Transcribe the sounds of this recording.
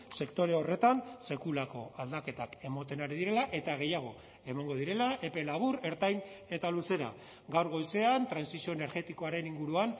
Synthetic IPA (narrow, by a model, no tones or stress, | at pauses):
se̞kt̪o̞ɾe̞ore̞t̪anse̞kulako̞ald̪ake̞t̪ake̞mot̪e̞naɾiðiɾe̞laʔe̞t̪aɣ̞e̞jaɣ̞o̞ | e̞maŋɡo̞ð̞iɾe̞laʔe̞pe̞laβ̞uɾe̞ɾt̪ajne̞t̪aluse̞ɾa̰ | ɡawɾɣo̞jse̞ant̪ɾansisio̞ene̞ɾɣe̞t̪iko̞aɾe̞niŋɡuɾuan